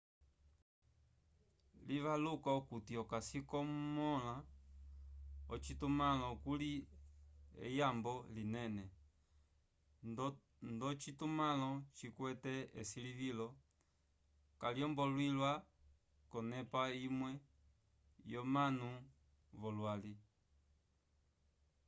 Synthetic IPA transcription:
liβalukaukutiɔkasikɔmɔla | ɔt͡ʃitumalɔkuli | ɛ̰jambɔlinɛnɛ | ndɔt͡ʃitumalɔt͡ʃikwɛtɛɛsilivilɔ | kaljɔmbɔlwilwa | kɔnɛpaimwɛ | jɔmanu | βɔlwali

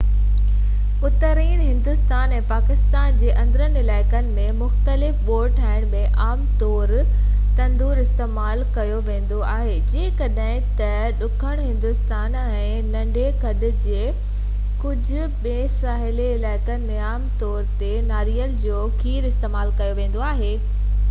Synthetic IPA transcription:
ʊt̪əɾiːnɦɪ̃nd̪ʊst̪aːnɛ̃ːpaːkɪst̪aːnd͡ʑeːʔɐ̃nd̪ɾənɪlaːɪkənɪ̆mẽmʊxt̪əlɪfɓoːɾʈʰaːɪɽ̃mẽʔaːmt̪ɔːɾ | t̪ɐ̃nd̪uːɾɪst̪eːmaːlkɐjoʋẽːn̆d̪oaːɦed͡ʑeːkɐɗɦɪ̃t̪ɐ | ɗʊkʰəɽ̃ɦɪ̃nd̪ʊst̪aːn | ɛɛ̃ː | nɐ̃ɳɖʱekʰɐɗʊ̆d͡ʑeː | kʊd͡ʑʱʊ̆ɓẽːsaːɦɪleɪlaːɪkənɪ̆mẽaːmt̪ɔːɾt̪enaːɾiəld͡ʑoːkʰiːɾɪst̪eːmaːlkɐjoʋẽːn̆d̪oaːɦeː

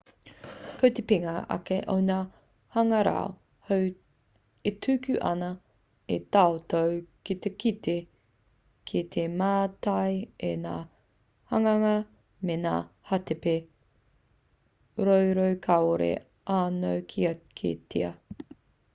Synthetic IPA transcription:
kot̪epiŋɐɐ̰keʔonaː | hɐŋɐɾa̰o | how | et̪ʰʉːkʉʔɐ̰nɐ | et̪aot̪owkit̪ekit̪e | kʰit̪ʰemaːtɐjenaː | hɐŋɐŋɐ | menaːhɐt̪epe | ɾowɾowkʰaoɾḛ | ʔaːnowkʰiɐkʰḛt̪ʰiɐ̰

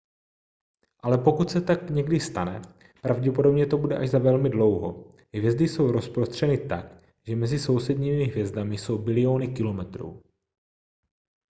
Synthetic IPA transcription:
ʔalɛpo̞kut̪sɛt̪akɲɛɡdɪst̪anɛ | pɾavɟɛpo̞dobɲɛt̪o̞budɛʔaʒzavɛlmɪdlo̞wɦo | ɦvjɛzdɪso̞wɾo̞spɾost̪r̝̥ɛnɪt̪ak | ʒ̥ɛmɛzɪso̞wsɛdɲiːmɪɦvjɛzdamɪsowbɪlɪoːnɪkɪlo̞mɛt̪ɾṵː

